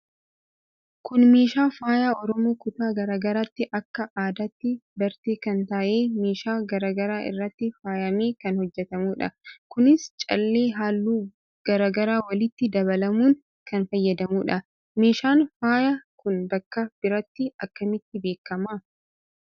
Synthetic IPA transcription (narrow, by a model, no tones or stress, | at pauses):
kʊnme̞ːʃaːfaːjaːɔɾɔmoːkʊt̪aːɡɐɾaːɡɐɾat̪ːɪʔɐkːɐʔaːd̪ɐt̪ːɪbɐɾt̪eːkɐnt̪aʔe̞ːme̞ːʃaːɡɐɾaːɡɐɾaːʔɪ̰rːɐt̪ːɪfaːjɐmeːkɐnhɔd͡ʒːɛt̪ɐmuːᶑɐ̰kʊnɪst͡ʃʼɐ̰lːeːɦaːlːuː | ɡ̥ɐɾaːɡɐɾaːwɐlɪt̪ːɪd̪ɐβɐlɐmuːn | kɐnfɐjːɐd̪ɐmuːᶑɐ | me̞ːʃaːnfaːjakʊnbɐkːɐb̥ɪɾɐt̪ːɪɐkːɐmɪt̪ːɪbe̞ːkːɐma